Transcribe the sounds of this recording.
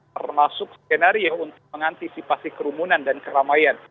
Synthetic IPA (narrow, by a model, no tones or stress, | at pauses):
ərmasʊk̚skenaɾiaunt̪ʊk̚məŋant̪isipasikəɾumunandankəɾamajan